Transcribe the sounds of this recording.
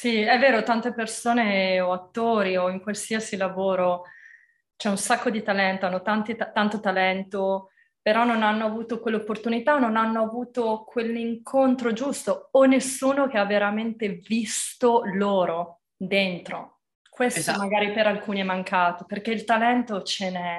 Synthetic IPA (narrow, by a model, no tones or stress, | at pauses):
siɛvːeːɾot̪ant̪epersoːneoat̪ːoːɾioiŋkwalsiasilavoːɾo | t͡ʃɛunsakːod̪it̪alɛnt̪oanːot̪ant̪it̪ant̪ot̪alɛnt̪o | peɾɔnːonanːoavuːt̪okwelːopːort̪unit̪aonːonanːoavuːt̪okʰweliŋkʰont̪ɾod͡ʒust̪oːnːesːuːnok̟eavːeɾament̪evist̪oloːɾo | d̪ent̪ɾo | kwest̪omaɡaːɾipeɾalkuːniɛmaŋkaːt̪iperk̟eilt̪alɛnt̪ot͡ʃenɛ